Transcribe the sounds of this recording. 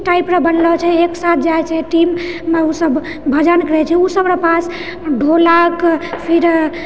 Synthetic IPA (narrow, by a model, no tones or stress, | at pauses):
ʈaipɾabənlɔt͡ʃʰɛeksat̪̚ʰd͡ʒajt͡ʃʰɛʈimːeusəb | bʱəd͡ʒankəɾɛt͡ʃʰɛusəbɾapas | ɖʱolakpʰiɾ